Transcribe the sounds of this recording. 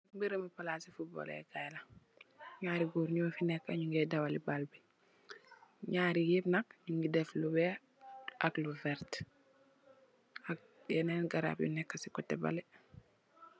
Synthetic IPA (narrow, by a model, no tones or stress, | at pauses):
mbiɾəmipalaːsifut̚bɔ̰lɛ̰ɡajla | ɲaːɾiɡuːɾɲuwfinɛkːaɲuŋɡɛdawalibalbi | ɲaːɾijipnak̚ɲuŋɡidɛflubɛ | akluvɛɾt | ak̚ | jɛnɛnɡaɾa̰ːb̚jṵnɛkːasikɔtːɛba̰lɛ